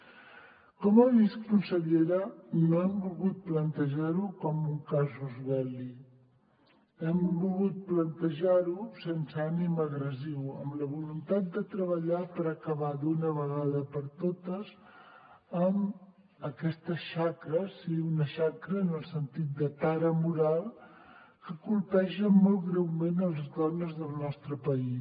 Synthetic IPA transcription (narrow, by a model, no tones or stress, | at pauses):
kɔməβiskunsəʎeɾənoɛmbulɣut̪̚plənt̪əʒaɾukɔmuŋkazuzβɛli | ɛmbulɣut̪̚plənt̪əʒaɾusensəaniməɣɾəziwə̰mləβ̞ulunt̪at̪̚d̪ət̪ɾəβ̞əʎapəɾəkəβad̪unəβəɣaðəpəɾt̪ot̪əz | əm | əkɛst̪əʃakɾəsiunəʃakɾəːnəlˠsənt̪it̪̚d̪ət̪aɾəmuɾalˠ | kəkulpɛʃəmɔlˠtɣɾɛwmenəlˠzðɔnəzðəlˠnɔst̪ɾəpəi